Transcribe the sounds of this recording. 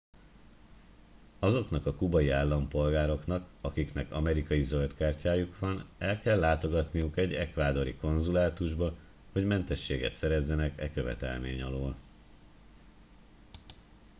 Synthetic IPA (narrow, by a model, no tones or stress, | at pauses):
ɒzo̞kn̪ɒkɒkubɒjiaːlːɒmpo̞lɡaːɾo̞knɒkɒkiknɛkɒmɛɾikɒjizølt̪kaːrcaːjukʋɒnɛlkɛlːaːt̪o̞ɡɒt̪nijukɛɟɛkʋaːd̪o̞ɾḭko̞nzulaːt̪uʒbɒ | ho̞ɟmɛnt̪ɛʃːeːɡɛ̰t̪sɛɾɛzːɛnɛkɛkø̞vɛ̰t̪ɛ̰lmḛːɲɒloːl